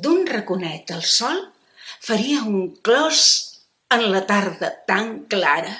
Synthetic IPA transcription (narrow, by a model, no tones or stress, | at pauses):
d̪unrəkunɛt̪əlˠsɔlˠ | fəɾiəuŋklɔz̥ | ənlət̪aɾðət̪aŋklaɾə